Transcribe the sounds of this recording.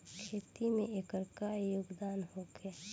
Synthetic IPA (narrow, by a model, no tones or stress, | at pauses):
kʰeːt̪imẽekəɾkajʊɡd̪aːnɦoɡɛ